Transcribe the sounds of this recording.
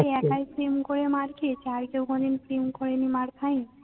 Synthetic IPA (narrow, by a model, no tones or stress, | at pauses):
eɛkajpɾimkoɾemaɾkiet͡ɕʰaɾkewɡɔninpɾimkoɾenimaɾt̪ʰaj̃